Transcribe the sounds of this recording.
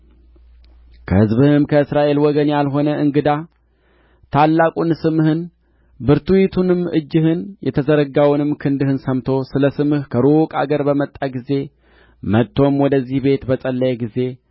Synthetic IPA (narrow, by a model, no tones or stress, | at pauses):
kʰə̰hɨzbɨhɨɨmkʰəɨsɾaʔe̞lwɔɡənjalɦo̞nəʔɨŋɡɨd̪a | t̪ʰalːakʼunsɨmhɨn | bɨɾt̪uwit̪ʰunɨmɨ̰d͡ʒːɪhɨnjɛt̪ʰəzəɾəɡawnɨmkʰɨnd̪ɨhɨnsəmt̪ʰo̞sɨləsɨmɨhkʰəɾokʼa̰ɡəɾbəmət̪ʼːaɡize̞ | mət̪ʰːo̞mwɔd̪əzːihbe̞t̪bəsʼəlːəjɡize̞